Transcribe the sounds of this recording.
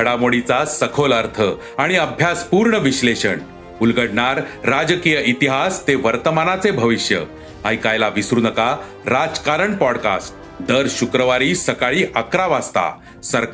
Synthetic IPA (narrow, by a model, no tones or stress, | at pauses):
əɽamoɽit͡sasəkʰoləɾt̪ʰə | aɽ̃iəbʱjaspuːɾɳəʋiɕleɕəɳ | ulɡəɽɳaɾːad͡zkijəit̪iɦast̪eʋəɾt̪əmanat͡sebʱəʋiɕjə̰ | aɦikajlaʋisɾunəka | ɾad͡zkaɾəɳpɔɽka̰sʈ̚ | d̪əɾɕukɾəʋaɾiːsəkaɭiːʔakɾaʋast̪a̰ | səɾ